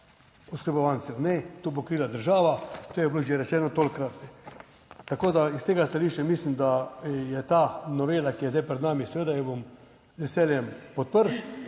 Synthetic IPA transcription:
uskɾəbɔʋansɛnɛt̪obokɾiːlad̪əɾʒaːʋat̪ojɛbloːʒeɾɛt͡ʃɛːnɔt̪oːlʲkɾat̪ɛ | t̪akoːd̪aist̪eːɡast̪aliʃt͡ʃamiːslimd̪ajɛt̪aːnɔʋeːlakijɛzd̪ajpɾɛd̪naːmisɛʋeːd̪ajɛbom | zʋɛsɛːljɛmpɔt̪̚pəɾ

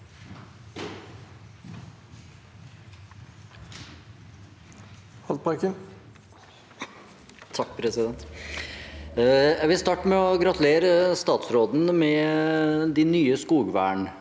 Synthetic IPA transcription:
hɑlt̪̚pʰɑɾkən | t̪ʰɑkːpʰɾɛsɪd̪ɛnt̪ | jæɪʋɪlst̪ɑːʈːəmɛɔɡɾɑt̪ʉleːɾəst̪ɑːt̪sɾoːd̪nəmɛ | d̪ɪnyːəskuːɡʋæ̰ːɳ

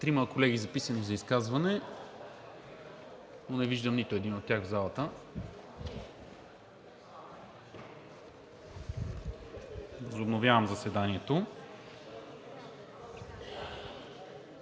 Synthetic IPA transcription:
t̪ɾimɐkolɛɡ̟izɐpisənizɐiskazvɐnɛ | nonɛviʒd̪əmnit̪ʊɛd̪inot̪ːʲjaɣvzalˠət̪ə | vɐzʊbnovʲjavɐmzɐsɛd̪aniɛt̪o

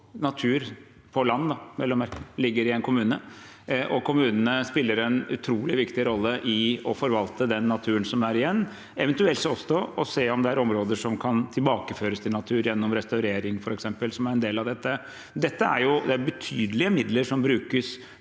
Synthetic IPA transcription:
nɑt̪ʰʉːɾ | pʰɔlɑnːd̪ɑmɛlːɔmæɾkəlɪɡːəɾɪɛnkʰʊmʉːnə | ʔɔkʰʊmʉːnənəspɪlːəɾɛnʉ̰t̪ʰɾuːlɪʋɪkt̪ɪɾɔlːəʔɪɔfɔɾʋɑlt̪əd̪ɛnːɑt̪ʰʉːənsɔmæɾɪjɛnː | ɛʋɛnt̪ʉɛlt̪sɔsɔɔseːɔmd̪ɛæɾɔmɾoːd̪əʂɔmkʰɑnt̪ʰɪlbɑːkəføːɾəst̪ʰɪlnɑt̪ʰʉːɾjɛnːɔmɾɛst̪ɑʉɾeːɾɪŋfɔɾɛksɛmpəlsɔmæɾɛnd̪eːlɑʋd̪ɛt̪ːə | d̪ɛt̪ːəæ̰ɾjʊd̪ɛæɾbɛt̪ʰyːd̪əlɪəmɪd̪ləʂɔmbɾʉːkəs

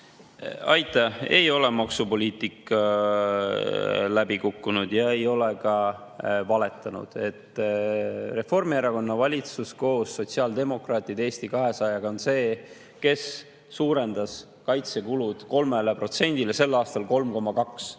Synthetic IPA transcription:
ɑjt̪ːˑɑe̞̰jo̞le̞mɑksupo̞lʲiːt̪ˑikːˑɑ | læbikukːunud̪̥jɑe̞jo̞lekɑ | vɑle̞t̪ːˑɑnṵd̪̥e̞t̪ː | re̞fo̞rmieɾɑko̞nːɑvɑlʲit̪susko̞ːsːo̞t̪ʲsiɑld̪e̞mo̞krɑːt̪ˑid̪̥e̞ːst̪ikɑɦe̞sɑjɑɡɑo̞nse̞ː | ke̞sː | uːɾe̞nd̪̥ɑs | kɑjt̪se̞kulud̪̥ko̞lmelepro̞t̪se̞nʲd̪̥ile̞se̞lːɑːst̪ɑlko̞lmko̞mːɑkɑks

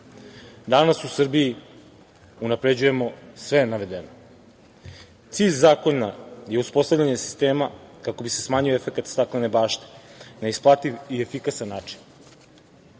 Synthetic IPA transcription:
d̪anasusrbii | unapɾe̞d͡ʑuje̞mo̞sʋe̞naʋe̞d̪eno | t̪siːʎʲzaːko̞nnaje̞uspo̞st̪avʎʲaɲesi̥st̪e̞ːmakako̞bisesmaːɲioefekat̪st̪aklene̞baːʃt̪e̥naisplˠat̪iʋie̞fikasanːaːt͡ʃi̥n

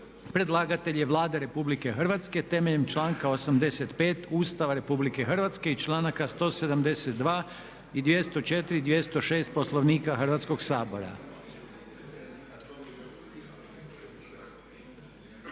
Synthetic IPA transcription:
pɾe̞d̪lˠaːɡat̪e̞ʎjeʋlˠaːd̪eɾe̞publike̞xr̩ʋat̪ske̞t̪e̞meʎe̞mt͡ʃlaːŋkao̞samd̪e̞se̞t̪pe̞ːt̪uːst̪aʋaɾe̞publike̞xr̩ʋat̪ske̞it͡ʃlaːnakast̪o̞ːse̞d̪amd̪e̞set̪̚d̪ʋaː | id̪je̞st̪o̞t͡ʃet̪iɾid̪je̞st̪o̞ʃe̞ːst̪̚po̞slˠoʋniːkaxr̩ʋat̪sko̞ɡsaːbo̞ɾa̰

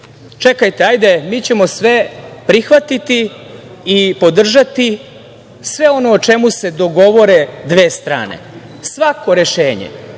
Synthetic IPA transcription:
t͡ʃe̞kajt̪eajd̪e̞miːt͡ɕe̞mo̞sʋe̞pɾixʋat̪it̪iː | po̞d̪r̩ʒat̪i | sʋe̞o̞no̞ːt͡ʃe̞muse̞d̪o̞ɡo̞ʋo̞ɾe̞d̪ʋe̞ːst̪ɾa̰ːnḛ | sʋako̞ɾe̞ʃeːɲḛ

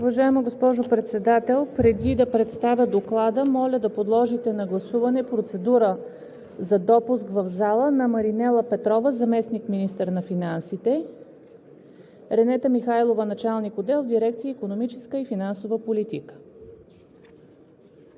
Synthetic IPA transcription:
uvɐʒaɛməɡospɔʒopɾɛt̪sɛd̪at̪ɛlˠpɾɛd̪id̪ɐpɾɛt̪st̪avʲjəd̪oklˠad̪əmɔlʲəd̪ɐpod̪lˠɔʒit̪ɛnɐɡlˠɐsuvɐnɛpɾot̪sɛd̪uɾə | zɐd̪ɔpuskvɐvzalˠənɐmɐɾinɛlˠəpɛt̪ɾɔvəzɐmɛsnikminist̪əɾnɐfinansit̪ɛ | ɾɛnɛt̪əmixajlˠovənɐt͡ʃalˠnikod̪ɛlˠvd̪iɾɛk̚t̪sijəikonomit͡ʃɛskəifinansovəpolit̪ikə̥

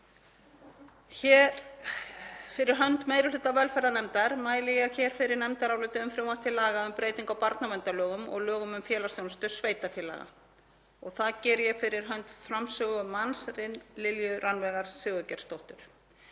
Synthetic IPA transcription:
çɛːɾ | fɪɾɪɾ̥ɦœnt̪meːjɾɪlʏːt̪avɛlfɛɾðanɛmt̪aɾ̥maːjlɪjɛɣçɛːɾ̥fɪɾɪɾnɛmt̪aɾawlʏːt̪ʏʏmfɾjowmat̪ʰɪlaɣaʏmpɾʔeːjt̪iŋkawpaɾt̪navɛnt̪alœːɣʏmɔ̰ɣlœːɣʏmʏmfjɛːlasjownst̪ʏ̥sveːjt̪afjɛla̰ɣa̰ | ɔɣθaðcɛːɾʏjɛfɪɾɪɾ̥ɦœnt̪fɾamsœːɣʏmansɾɪnlɪljʏɾʔanvɛːɣaɾ̥sʏːɣʏcɛɾ̥st̪owht̪ʏɾ̥

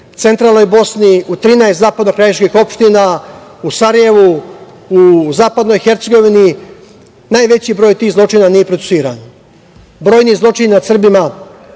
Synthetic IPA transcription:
t̪se̞nt̪ɾaːlno̞jbo̞sniut̪ɾiːnaest̪zaːpad̪nokɾajeʃkixo̞pʃt̪inausaɾaje̞ʋu | uzaːpad̪no̞jxeɾt̪se̞ɡo̞ʋini | naːjʋe̞t͡ɕibɾo̞ːjt̪iːɣzlˠo̞t͡ʂiːnanije̞pɾot̪u̥siːɾa̰ːn | bɾo̞ːjnizlˠo̞t͡ʂinnad̪sr̩bima

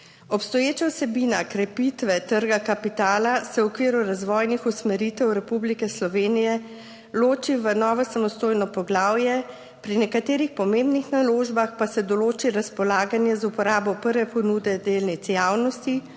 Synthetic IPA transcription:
ɔpst̪ɔjeːt͡ʃawsɛbinakɾɛpit̪ʋɛt̪əɾɡakapit̪aːlasɛwɔkʋiːɾuɾazʋɔjnixusmɛɾit̪ɛwɾɛpublikɛslɔʋeːnijɛ | loːt͡ʃiʋənɔːʋɔsamɔst̪oːjnɔpɔɡlaːwjɛ | pɾinɛkat̪eːɾixpɔmembnixnaloːʒbaxpasɛd̪ɔloːt͡ʃiɾaspɔlaːɡanjɛzupɔɾaːbɔpəɾʋɛpɔnuːd̪ɛd̪eːlnit̪sjaːwnɔst̪i

